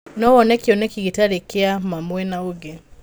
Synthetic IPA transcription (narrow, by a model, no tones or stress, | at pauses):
nɔwɔnɛkiɔnɛkiɣitaɾekeamamwɛnaoɡɛ